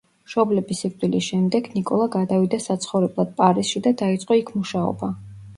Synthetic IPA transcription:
ʃɔblɛbisiɾt̪ʼwilisʃɛmd̪ɛɡnikʼɔlˠaɡad̪avid̪asat̪sʰχɔvɾɛblˠad̪̥̚pʼaɾisʃid̪ad̪ait̪sʼqʼɔikʰmuʃaɔ̰ba

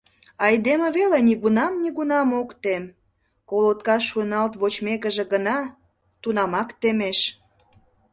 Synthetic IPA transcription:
ɑjd̪emeβeleniɣunɑmniɣunɑmokt̪em | kolot̪̚kɑʃunɑlt̪βot͡ɕmekəʒĕɡənɑ | t̪unɑmɑkt̪emeʃ

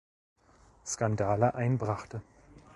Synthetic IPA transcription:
skandaːləʔaɪnbʁaχtə

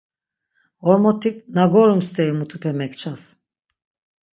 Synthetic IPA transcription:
ɔɾmɔt̪ʰiknaɡɔɾumst̪ʰɛimut̪ʰupʰɛmɛkt͡ʃʰas

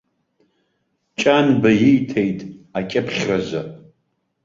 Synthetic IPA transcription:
t͡ʃʼanbajijtʰejtʼakʲʼɪpʰχʲrazʷa

